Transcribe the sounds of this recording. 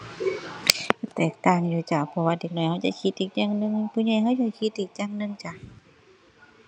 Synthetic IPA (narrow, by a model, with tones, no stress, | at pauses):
ka˧˩t̪ɛː˨˩k̚t̪aː˧˨ŋjuː˧˩t͡ɕa˧˩pʰɔ˧waː˧de˧˩k̚nɔ˧˩jha˧wt͡ɕa̰˧˨kʰi˧t̪̚ʔiː˧˩k̚ɲaː˧ŋnɯ˧˨ŋpʰuː˧˦ɲɔ˧˨jɦa˧wt͡ɕa˧˩kʰi˧t̪̚ʔiː˧˩k̚ɲaː˧˩ŋnɯ˧˨ŋt͡ɕa˧˩